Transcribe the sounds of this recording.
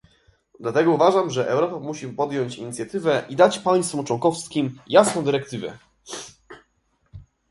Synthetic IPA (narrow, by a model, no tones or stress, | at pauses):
d̪lat̪ɛɡɔuvaʐamʐɛʔɛwɾɔpamuɕipɔd̪jɔɲt͡ɕiɲit̪sʲjat̪ɘvɛʔid̪at͡ɕpaj̃st̪fɔ̃t͡ʂwɔŋkɔfskʲimjasnɔ̃w̃d̪ɘɾɛkt̪ɘvɛ̰